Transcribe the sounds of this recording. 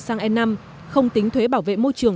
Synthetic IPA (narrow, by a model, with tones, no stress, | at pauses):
saː˧ŋʔɛ˧na˧m | xə˧wŋ͡mt̪ï˨˦ŋt̪ʰwe˨˦ɓaː˧˩wvḛ˧˨mo˧jt͡ɕɨ˨˩əŋ